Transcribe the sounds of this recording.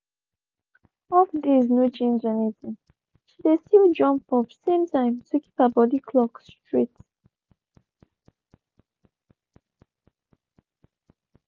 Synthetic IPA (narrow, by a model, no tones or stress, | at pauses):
ɔfd̪iznjut͡ʃẽnd͡ʒɛnitĩ | ʃidesild͡ʒɔ̃mpɔvsẽmtʰãɪ̃mtʰuki̥pabɔdikʰlɔkstɹit